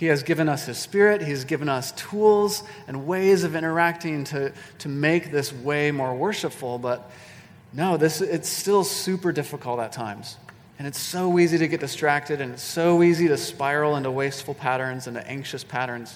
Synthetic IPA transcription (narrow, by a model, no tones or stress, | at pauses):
hiɨzɡɪvɨ̃nʌshɨz̥spɪɹɪt̚hiɨzɡɪvɨ̃nʌstʰulˠzɨ̃nweɪzʌvɪ̃ɾ̃ə˞æk̚tɪ̃ŋtʰɨɾɨmeɪk̚ðɪsweɪmɔɹwɜ˞ʃəpfl̩ˠbʌt̚ | noʊðɪsɪtstɪlˠsʉpə˞dɪfəkl̩ˠtətʰãɪ̃mz̥ | ɨ̃ñɨtsoʊiziɾɨɡɛt̚d̥ɨstɹ̥æk̚tɨɾɨ̃nɨtsoʊiziɾɨspaɪɹl̩ˠɪ̃ntuweɪstfl̩ˠpʰæɾə̃˞nzɨ̃nɨ̰ʔæ̰̃ŋkʃɨspʰæɾə̃˞nz̥